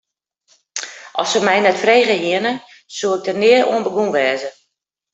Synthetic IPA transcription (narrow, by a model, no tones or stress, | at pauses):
ʔɔsəmɛjnɛtfreːɣəɦiənə | suːɪk̚dənɪəɾṵənbəɡunʋɛːzə